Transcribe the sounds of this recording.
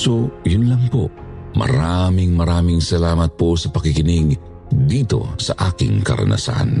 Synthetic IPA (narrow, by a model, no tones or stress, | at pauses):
sojʊnlɐŋpomɐ̰ɾamɪŋmɐɾaːmɪŋsɐlaːmɐt̪̚posɐpɐkɪkɪnɪɡ | d̪iːt̪o̞̰sɐʔaːkɪ̰ŋkɐ̰ɾɐ̰nʔa̰sa̰n